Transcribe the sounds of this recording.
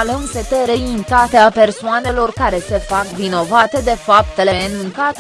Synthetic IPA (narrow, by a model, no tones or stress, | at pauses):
ləŋpet̪eɾeint̪at̪eape̞rsoane̞lo̞rkaɾe̞se̞fakvino̞vat̪e̞d̪e̞fap̚t̪e̞lenuŋkat̪